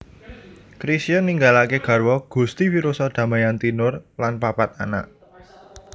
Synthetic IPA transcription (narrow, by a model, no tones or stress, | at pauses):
kɾisijɔnːiŋɡalakeɡ̥ä̤rwɔɡ̥ṳst̪ifiɾosɔd̪̥ä̤majant̪inʊrlanpapat̪̚a̰na̰ʔ